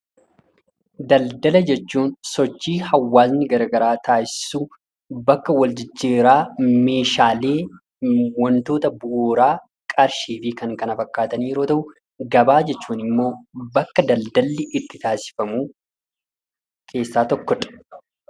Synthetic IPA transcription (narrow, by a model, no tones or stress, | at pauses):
d̪ɐld̪ɐlɐd͡ʒɛt͡ʃːuːnsɔt͡ʃːiːhɐwːaːs̬nɪɡɐɾɐɡɐɾaːt̪ʰaːʔɪɪ̥suː | bɐkːɐwɐld͡ʒɪd͡ʒːeːɾaːme̞ːʃaːle̞ː | wɔnt̪o̞ːt̪ɐbuːɾaː | kʼɐɾʃiːfɪkɐŋkɐnɐfɐkːaːt̪ɐniːɛɾo̞ːt̪ɐʔʊ | ɡɐbaːd͡ʒɛt͡ʃːuːnɪmːo̞ːbɐkːɐd̪ɐld̪ɐlːɪʔɪt̪ːɪt̪aːsɪ̥fɐmuː | kʰe̞ːsːaːt̪ɔkːɔᶑɐ̥